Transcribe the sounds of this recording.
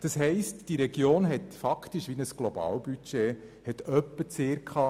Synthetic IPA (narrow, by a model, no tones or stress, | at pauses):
d̥ɑshɛɪstd̥iɾɛɡjoːnɦɛtfɑktiʃʋinəsɡ̥lobɑ̰ːwbyt͡ʃe | hɛtœpːət͡seːɾkʰχɑː